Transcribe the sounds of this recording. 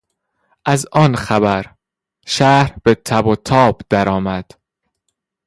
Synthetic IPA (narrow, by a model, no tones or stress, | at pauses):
ʔæzʔɒːnxæbæɾ | ʃæːhɾb̥et̪ʰæbot̪ʰɒːbd̪̥æɾɒːmæd̪̥